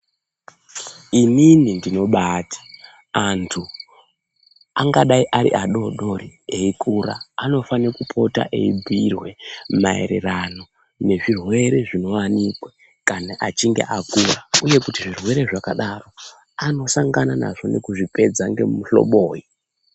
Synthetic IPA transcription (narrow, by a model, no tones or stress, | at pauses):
ininindino̞ɓaːtḁ | antʰu | aŋɡaɗaiʔaɾḭʔaɗo̞ɗo̞ɾieikʰuɾa̰ːno̞fanekupʰo̞ta̰ʔeibʱirwe̞maḛɾḛrano̞ | ne̞ʐirwe̞ɾe̞ʐino̞wanikwa | kanaʔat͡ʃiŋɡe̞̰ʔakurauje̞kutiʐirwe̞ɾe̞ʐakaɗaro̞ | ano̞saŋɡanana̰ʐo̞ne̞kuʐipe̞d͡zaŋɡe̞̰mmuɬo̰ɓoːji